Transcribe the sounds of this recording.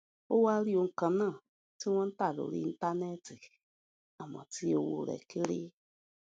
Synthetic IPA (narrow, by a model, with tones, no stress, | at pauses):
o˦wa˦ɾi˦o˨ŋ̩˨ka˨nã˦˨ | ti˦wã˦n̩˦ta˦˨do̰˨ɾḭ˦ta˦ne˦ti˨ | a˨ma̰˨ti˦o˨wo̰˨ɾɛ̰˨ki˦ɾḭ˦